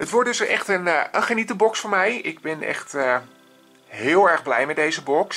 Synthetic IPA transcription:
ɦətʋɔɹtdɵsɛχtənənχənitəbɔksfʊːɹmɛjɪɡ̚bɛnɛ̰χtə | ɦɪːlˠɛɹχblɛ̰jmɛt̚dejzəbɔks

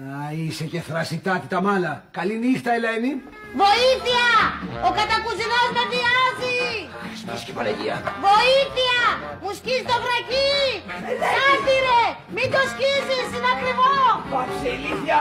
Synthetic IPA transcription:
ɐiseceθɾɐsit̪ɐt̪it̪ɐmɐlɐkɐlinixt̪ɐeleni | vo̞iθiɐokɐt̪ɐkuziɣoznɐt̪iɐzispiscepɐlɐʝiɐvo̞iθiɐ | muscisit̪ofɾɐci | ɐsd̪iɾe | mind̪oscizisinɐkɾivopɐseliθjɐ

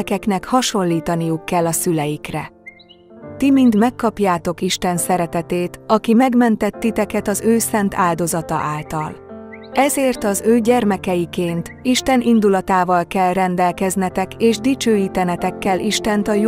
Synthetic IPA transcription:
kɛknɛkhɒʃo̞lːiːt̪ɒnijukːɛlːɒsylɛjikrɛ̰ | t̪imind̪mɛkːɒpjaːt̪o̞kiʃt̪ɛnsɛɾɛt̪ɛt̪eːt̪ɒkimɛɡmɛnt̪ɛt̪ːit̪ɛkɛt̪ɒzøːsɛnt̪ʰaːld̪o̞zɒt̪ɒ̰ʔaːlt̪ɒlɛzeːrt̪ɒzøːɟɛrmɛkɛjikeːnt̪iʃt̪ɛnind̪ulɒt̪aːvɒlkɛlrɛnd̪ɛlkɛznɛt̪ɛkeːʒd̪it͡ʃøːjiːt̪ɛnɛt̪ɛkːɛlʔiʃt̪ɛnt̪ɒj

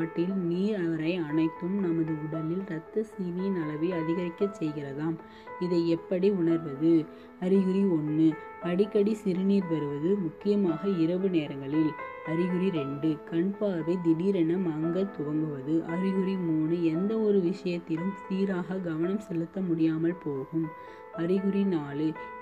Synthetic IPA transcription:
aːʈːɪlniːɾɐʋɐɾɐɪɐnɐɪt̪ːɯmnɐmɐðɯʊɽɐlɪlɾɐt̪ːɐsiːʋinɐlɐʋɪɐðɪɣɐɾɪkːɐt͡ʃsɛjɣɪrɐðaːm | ɪðɐɪɛpːɐɽiʊɳɐɾʋɐðɯ | ɐɾɪɣɯɾiɔnːɯ | pɐɽɪkːɐɽisɪɾɯniːɾpɐɾɯʋɐðɯmʊkːɪjɐmaːɣɐɪɾɐʋɯneːɾɐŋɡɐɭɪl | ɐɾɪɣɯɾiɾɛɳɖɯkɐɳpaːʋɐɪd̪ɪðiːɾɐnɐmɐŋɡɐt̪ːʊʋɐŋɡɯʋɐðɯʔɐɾɪɣɯɾimuːnɯɛnd̪ɐɔɾɯʋɪʂɐjɐt̪ːɪlɯmsiːɾaːɣɐɡɐʋɐnɐmsɛlːɯt̪ːɐmʊɽɪjaːmɐlpoːɣɯm | ɐɾɪɣɯɾinaːlɯ

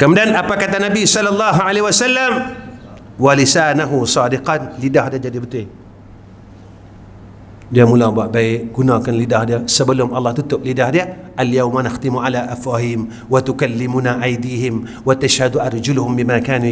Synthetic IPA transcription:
kəmədanʔapakat̪anabisɔlːɑlːɑɦʕalehiwasalːam | walisaːnaɦusɑːdɪqɑnlidahdiad͡ʒadibət̪ʊɪ | diamulabaʔbaɪʔɡunakanlidahdiasəbəlʊmʔɑlːɑht̪ut̪ʊp̚lidahdiaʔaljawmanaxt̪ɪmuʕalaʔafɾaɦiːm | wat̪ukalːɪmunaʔajd̪iːɦɪm | wat̪aʃhad̪uʔɑrˤd͡ʒʊlhʊmbimakaːnu

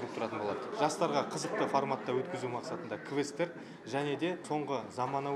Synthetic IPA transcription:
ək̚t̪ʰʊɾɑt̪ənbo̞lˠɑd̪əʒ̥ɑst̪ɑɾʁɑqʰəzəq̚t̪əfoɾmat̪ːɑwɵt̪kʲɪzumɑqsɑt̪ənd̪ɑkʰvest̪eɾ | ʒæne̞d̪e̞so̞ɴʁəzɑmɑnɑ

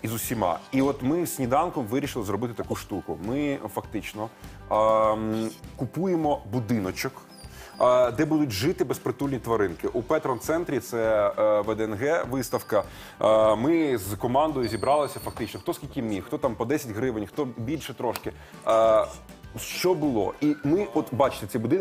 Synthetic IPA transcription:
izʊsʲimɑ̰iɔt̪mɪsʲnʲid̪ɑnkɔmʋɪɾʲiʃɪlˠɪzɾɔbɪt̪ɪt̪ɐkuʂt̪ukʊmɪfɐkt̪ɪt͡ʃnɔ | kʊpujemɔbud̪ɪnɔt͡ʃɔk | d̪ɛbud̪ʊtʲʒɪt̪ɪbespɾet̪ulʲnʲit̪ʋɐɾɪnkɪʔupɛt̪ɾɔnt̪sɛnt̪ɾʲit̪sɛʋɛd̪ɛːnɦɛʋɪst̪ɐwkɐ | mɪzkɔmɑnd̪ɔjʊzʲibɾɑlˠɪsʲɐfɐk̚t̪ɪt͡ʃnɔxt̪ɔsʲkʲilʲkʲɪmʲixt̪ɔt̪ɑmpɔd̪ɛsʲɐtʲɦɾɪʋɪnʲxt̪ɔbʲilʲʃɛt̪ɾɔʃkɪ | ʃt͡ʃɔbʊlˠɔ̰imɪɔt̪bɑt͡ʃɪ̥t̪et͡sʲibʊd̪ɪn

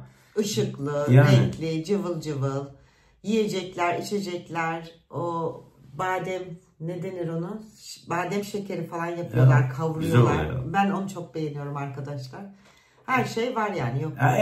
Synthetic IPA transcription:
ɯʃɯklˠɯɾɛɲclʲɪd͡ʒɯvɯlˠd͡ʒɯvɯlˠ | jije̞d͡ʒɛclʲæɾit͡ʃʰe̞d͡ʒɛclʲæɾ | o | baːd̪ɛm | ne̞d̪e̞niɾo̞nuʃbaːd̪ɛmʃecʰʲeɾifalˠanjapʰɯjo̞lˠaɾkʰavɾɯjo̞lˠaɾbæno̞nut͡ʃʰo̞k̚be̞jenijo̞ɾumaɾkad̪aʃlˠaɾ̥ | hæɾʃe̞jvaɾjaːnijok

